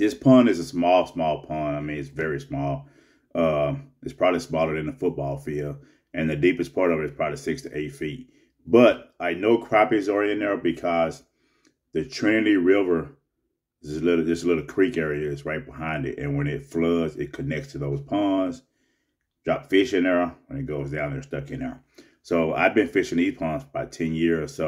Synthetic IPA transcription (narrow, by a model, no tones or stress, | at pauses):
ðɪspʰʌ̃nɨzəsmɔlˠsmɔlˠpʰʌ̃naɪmĩnɨtsvɛɹismɔlˠ | ʌ̃mɨtspʰɹ̥ɑbəblismɔlˠəɾɨ̃nðəfʊt̚b̥ɔlˠfilˠ | ʔɨ̃nðɨdipɨspʰɑɹɾʌvɨɨtspʰɹ̥ɑbəblisɪkstʰɨʔeɪtfit̚ | b̥ʌɾaɪnoʊkʰɹ̥æpizə˞ɪ̃nðə˞bɨkʰʌz | ðɨtʰɹ̥ẽnliɹɪvə˞ | zɪslɪɾl̩ˠðɨzəlɪɾl̩ˠkʰɹ̥ikɛɹiɨzɹaɪt̚b̥əhãɪ̃ndɨ̰tɨ̰̃nwə̃nɪtflʌzɪ̰t̚kʰɨnɛk̚tstʰɨðoʊz̥pʰɑnz̥ | d̥ɹɑpfɪʃɨ̃nðə˞wə̃nɨt̚ɡ̥oʊzdãʊ̃nðə̰˞stʌkɨ̃nɛ̰˞ | soʊa̰ɪvbɨ̃nfɪʃɨ̃niz̥pʰɑ̃nzəbaʊtʰɛ̃njɪɹəso